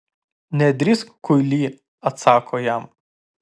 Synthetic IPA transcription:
nʲɛd̪ʲɾʲɪskʊlʲiː | ɐt̪sɑːkʰoːjæm

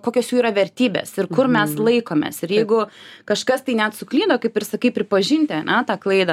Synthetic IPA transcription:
koːkʲoːsjuːiːɾɐʋʲɛɾʲt̪ʲiːbʲḛsɪɾkʊrmʲɛslˠɐɪkoːmʲḛːsɪɾjɛɪɡʊkɐʃkɐst̪ɐɪnʲɛt̪sʊklʲiːd̪oːkɐɪpɪɾsɐkɐɪpʲɾʲɪpɐʒʲɪnʲt̪ʲɛnʔɛt̪ɑːklˠɐɪd̪ɐ

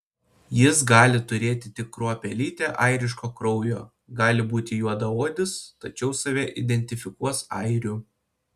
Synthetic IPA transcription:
jɪs̬ɡɑːlʲɪt̪ʊɾʲeːt̪ʲɪt̪ʲɪkːɾoːpʲɛlʲiːt̪ʲeːʔɐɪɾʲɪʃ̬koːkɾɔʊjoː | ɡɑːlʲɪbuːt̪ʲɪjuɔd̪ɐoːd̪ʲɪst̪ɐt͡ʃʲɛʊsɐʋʲɛʔɪd̪ʲɛnʲt̪ʲɪfʲɪkuɔsɐ̰ɪɾʲu

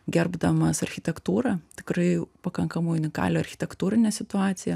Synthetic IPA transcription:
ɡʲɛrbd̪ɐmɐsɐɾʲxʲɪt̪ʲɛkt̪uːɾɐt̪ʲɪ̥kɾɐɪpɐkɐŋkɐmɐɪʊnʲɪkɑ̰ːlʲoːɐɾʲxʲɪ̥t̪ʲɛkt̪uːɾʲɪnʲɛsʲɪt̪ʊɑːt̪sʲɪjɛ

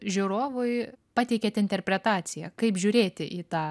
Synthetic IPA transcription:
ʒʲʊɾoːʋʊɪpɑt̪ʲɛɪkʲɛːt̪ʲɪnʲt̪ʲɛrʲpʲɾʲɛt̪ɑːt̪sʲɪjɛkɐɪpʒʲʊːɾʲeːt̪ʲɪʔiːt̪ɑː

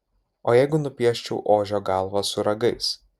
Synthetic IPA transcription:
oːjɛɪɡʊnʊpʲiɛʃʲt͡ʃʲɛʊʔoːʒʲoːɡɑˑlˠʋɐsʊɾɐɡɐɪs

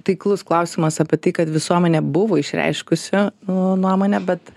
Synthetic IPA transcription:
t̪ʲɐɪklˠʊsklˠɐʊsʲimɐsɑːpʲiɛt̪ɐɪkɐt̪ʋʲɪsuɔmʲɛnʲɛbʊʋoːɪʃʲɾʲɛ̰ɪʃkʊsʲʊnuɔmoːnʲɛbʲɛt̪

